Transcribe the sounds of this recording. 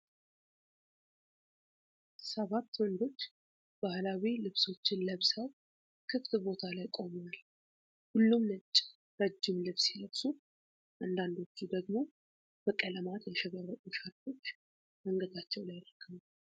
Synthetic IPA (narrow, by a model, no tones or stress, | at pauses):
səβat̪ːwɔnd̪o̞t͡ʃː | b̥ahlawilɨβso̞t͡ʃːɪnləβsəw | kʰɨft̪bo̞t̪ʰalajkʼo̞mwal | hʊlːumnət͡ʃʼː | ɾəd͡ʒːɪmlɨβsiləβsu | ʔand̪and̪o̞t͡ʃːud̪əɡmo̞ | b̥əkʼələmat̪jɛʃɛβəɾət̪ʼuʃat̪to̞t͡ʃː | məŋɡəd̪at͡ʃːɛwlajɪɾəkʰːəm